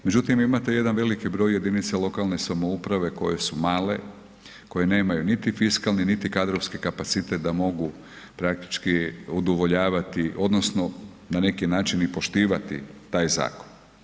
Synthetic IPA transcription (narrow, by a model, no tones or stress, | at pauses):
me̞d͡ʒut̪imimat̪e̞je̞d̪anʋe̞likibɾo̞ːjːe̞d̪init̪selo̞kalˠne̞samo̞upɾaʋe̞ko̞̰je̞sumaːle̞̰ | ko̞je̞ne̞ːmajunit̪ifiskalˠninit̪ikad̪ɾofskikapat̪sit̪et̪d̪amo̞ɡu | pɾak̚t̪i̥t͡ʃkiud̪oʋo̞ʎaːʋat̪iʔo̞d̪nosno̞ | nane̞kinaːt͡ʃinipo̞ʃt̪iːʋat̪ḭt̪aːjza̰ːko̥n